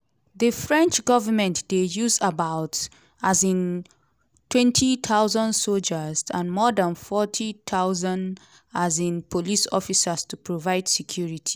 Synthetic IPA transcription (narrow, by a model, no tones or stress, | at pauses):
ðəfɹɛ̃nt͡ʃɡɔvəmɛ̃ntdejuzabaʊt | azĩn | tʰwɛ̃ntʰit̪ʰaʊzə̃ndsold͡ʒəzãnmɔdãnfɔtʰit̪ʰaʊzãnd | azĩnpʰolisɔ̰fisəstupʰɹovaɪdsɛkʰjuɹitʰi̥